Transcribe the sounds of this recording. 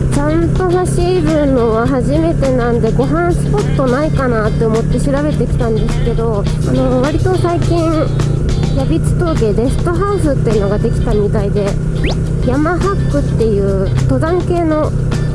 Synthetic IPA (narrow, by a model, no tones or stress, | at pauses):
t͡ɕãnt̪o̞ɦaɕiːbɯ̃nːo̞βaɦaʑime̞t̪e̞nãnd̪e̞ɡo̞ɦãɰ̃sɨ̥po̞t̪ːo̞naikanat̪ːe̞omo̞t̪ːe̞ɕiɾabe̞t̪e̞kʲi̥t̪ãnd̪e̞sɨ̥ke̞d̪o̞ | ano̞βaɾʲit̪o̞saikʲĩɰ | jabʲit͡sɨ̥t̪o̞ːɡe̞d̪e̞sɨ̥t̪o̞ɦaɯsɨt̪ːeɯ̟no̞ɡad̪e̞kʲi̥t̪amʲit̪aid̪e̞ | jamaɦakːɯ̟t̪ːe̞jɯ̟ː | t̪o̞d̪ãŋke̞ːno̞